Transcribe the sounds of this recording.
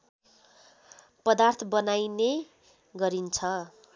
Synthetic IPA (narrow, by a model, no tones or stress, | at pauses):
pʌd̪art̪ʰʌbʌnajne | ɡʌɾint͡sʰʌ